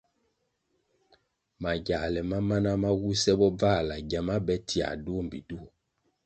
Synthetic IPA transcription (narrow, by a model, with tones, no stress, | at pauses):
ma˨ɟa˨lɛ˨ma˦ma˦na˦ma˦wu˦sɛ˦bɔ˦b͡va˦˨la˨ɟa˨ma˦bɛ˦tʰi˨a̰˨du˦˨m˨bḭ˨du˦o˨